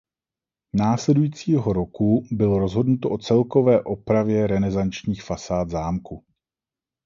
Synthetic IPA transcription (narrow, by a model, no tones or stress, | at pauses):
naːslɛdujiːt͡siːɦo̞ɾo̞kubɪlo̞ɾo̞zɦo̞dnut̪oʔo̞t͡sɛlko̞vɛːʔo̞pɾavjɛɾɛnɛzant͡ʃɲiːxfasaːd̪zaːmku